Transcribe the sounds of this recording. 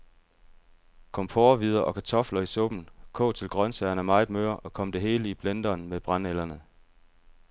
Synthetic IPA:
kʰɒ̽mpʰoːʋið̞ˠɐʔɒ̽kʰæt͡sʰɒ̽flɐisɔb̥n̩kʰɔ̰̽ːt͡sʰe̝lɡ̥ʁɶnsæɐnæmɑ̈ɪ̥mø̰ɐ̰ʔɒ̽kʰɒ̽m̰d̥e̝ɦe̝ːləib̥lend̥ɐːnmeb̥ʁɑ̈nelɐnə

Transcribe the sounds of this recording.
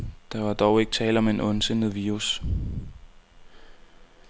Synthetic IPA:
d̥ɑ̈ʋɑ̈d̥ɒʊe̝ɡ̥ə̥t͡sʰɛ̰ːlɐɒ̽meenɔ̽nsen̰ð̩ˠʋiːʁus

